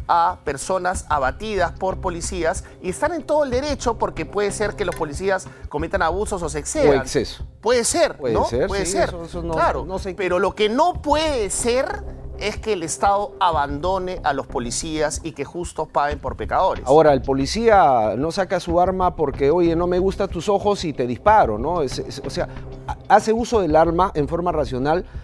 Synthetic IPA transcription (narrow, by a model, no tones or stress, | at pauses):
ape̞ɾso̞nasaβ̞at̪ið̞aspo̞ɾpo̞lisias | ie̞st̪ane̞nt̪o̞ð̞oeld̪e̞ɾe̞t͡ʃo̞po̞ɾke̞pwe̞ðese̞ɾkelo̞spo̞lisiasko̞me̞t̪anaβuso̞sosekseβeakseso̥pwe̞ðeseɾwenoseweðeseɾlaɾoopeɾo̞lo̞keno̞pwe̞ðese̞ɾeske̞ːlest̪aðoaβand̪o̞neʔalo̞spolisiasike̞xust̪ospaɣe̞mpo̞ɾpe̞kaðo̞ɾḛao̞ɾaelpo̞lisiano̞sakasuaɾmapo̞ɾke̞o̞je̞no̞me̞ɣust̪at̪uso̞xo̞sit̪e̞ðispaɾo̞̰no̞essoseaase̞uso̞ð̞e̞laɾmaʔe̞ɱfo̞ɾmarasjo̞nal